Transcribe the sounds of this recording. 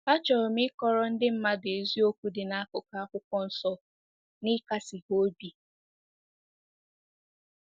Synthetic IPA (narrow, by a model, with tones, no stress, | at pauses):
a˦t͡ʃɔ˨mɪ˦kɔ˦ɾɔ˦n̩˦dɪ˦m̩˦ma˦de˨zi˦o˦kʷu˦dɪ˨na˦kʊ˨ka˦a˦kʷʊ˦kʷɔ˦n̩˨sɔ˦ | nɪ˦ka˦sɪ˨ɦo˦bi˨